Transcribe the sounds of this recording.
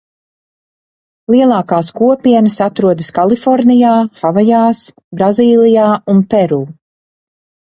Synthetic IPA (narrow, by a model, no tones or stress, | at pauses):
lˠiɛlˠɑːkaːskuɔpiɛnəsat̪ɾuɔd̪ɨskalˠifɔɾnijaːxavajaːs | bɾaziːlˠijaːunpɛɾuː